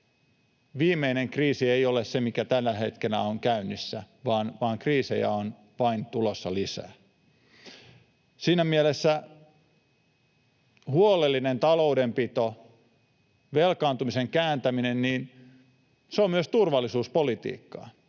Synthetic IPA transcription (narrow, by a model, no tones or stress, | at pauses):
ʋiːmeineŋkriːsiejolessemikæt̪ælːæhet̪kelæoŋkæynːisːæ̰ʋɑːnʋɑːŋkriːsḛjæ̰on | ʋɑint̪ulosːɑlisæ̰ː | siːnæmielesːæ | huolelːinent̪ɑloudempit̪o | ʋelkɑːnt̪umiseŋkæːnt̪æminenniːn | seommyøst̪urʋɑlːisuːspolit̪ḭːkːɑ̰ː